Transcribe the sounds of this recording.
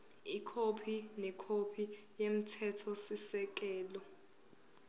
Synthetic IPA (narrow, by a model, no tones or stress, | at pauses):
ikʰopʰinɛkʰopʰi | jem̩tʰɛtʰɔsisɛk̬ʼɛːlɔ